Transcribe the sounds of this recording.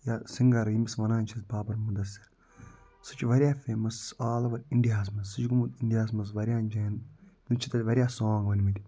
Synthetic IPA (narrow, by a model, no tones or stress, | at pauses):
jaːsiŋɡɐɾɨjimisʋɐnaːnʲt͡ʃʰizbaːbɐɾmud̪ɐsɐɾ | sɨ̥t͡ʃʰʋɐɾʲjaːfʲeːmɐsaːlɐʋɐɾʲiɳɖijaːs̬mɐzsɨt͡ʃɡumut̪iɳɖijaːsmɐzʋɐɾʲjaːnd͡ʒeːnt̪unt͡ʃʰit̪ɐlʲʋɐɾʲjaːsoːŋɡʋɐnʲmit̪ʲ